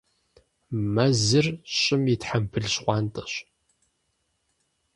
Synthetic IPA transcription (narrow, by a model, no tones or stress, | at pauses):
mɐzɨrɕʼɪmitħampʰɨɮɕqʷɑːntʼɐɕ